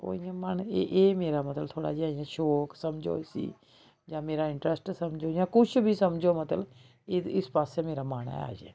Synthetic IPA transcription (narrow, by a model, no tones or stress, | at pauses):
ko̰ːijãməneʔeːmeːɾaːmət̪lt̪ʰoːɽa̰ːd͡ʒiaːjãːʃɔːksəmd͡ʒo̰sḭː | d͡ʒãːmeːɾaːɪ̃ɳʈɾəsʈsəmd͡ʒojãːkʊt͡ʃʰbʱisəmd͡ʒomət̪əl | ɪɪspaːsemeːɾamaːna̰a̰ːd͡ʒḛː